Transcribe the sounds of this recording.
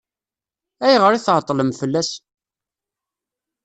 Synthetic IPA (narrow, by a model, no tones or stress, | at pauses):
æjʁəɾiθʁət̪ˤːləmfəlːæs